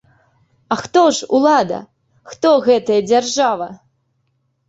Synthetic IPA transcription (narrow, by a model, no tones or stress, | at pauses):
axt̪ɔʂṵlˠad̪ɐ̰ | xt̪ɔɣɛt̪ɐjɐd͡zʲarʐavɐ